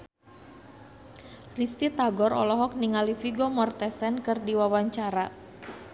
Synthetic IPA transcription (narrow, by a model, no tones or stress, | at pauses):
rist̪it̪aɡɔɾɔ̰lɔɦɔk̚niŋalifiɡɔmɔrt̪ɛsɛnkɨrdiwawaɲt͡ʃaɾa